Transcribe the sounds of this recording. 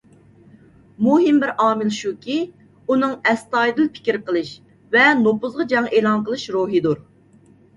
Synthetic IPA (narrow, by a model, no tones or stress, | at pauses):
muɦimbɪɾɑːmɨlʃukʲʰi | unɨŋɛst̪ɑjd̪ɨlpʰɪ̥kʲɾqəlˠɨʃ | vɛnopʊzʁɑd͡ʒɑŋeːlˠɑnqəlˠɨʃɾuɦid̪uɾ